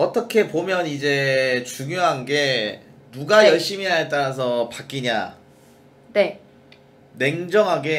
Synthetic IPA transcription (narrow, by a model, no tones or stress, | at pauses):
ʌt͈ʌkʰe̞pomjʌnid͡ʑe̞t͡ɕuŋjoɦanɡe̞nuɡajʌɭɕ͈imiɦaɭt̬͈aɾas̬ʰʌpak͈iɲa | ne̞ | ne̞ŋd͡ʑʌŋɦaɡe̞